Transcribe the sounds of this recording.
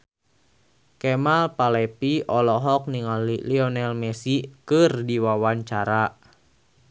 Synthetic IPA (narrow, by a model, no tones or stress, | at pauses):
kɛmalpalɛpiɔlɔɦɔk̚niŋaliliɔnɛlmɛsikɨrdiwawaɲt͡ʃaɾa